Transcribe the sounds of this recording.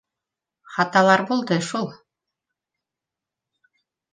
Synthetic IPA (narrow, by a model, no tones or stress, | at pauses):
χɑt̪ɑlˠɑɾbulˠd̪ɤʃulˠ